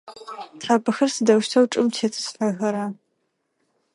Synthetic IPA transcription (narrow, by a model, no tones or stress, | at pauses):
tʰħaːbɨxɐrsɨdɐwʃtʰɐwʈ͡ʂʼɨmtʰeːt͡sʼɨ̥sħaɣɐɾa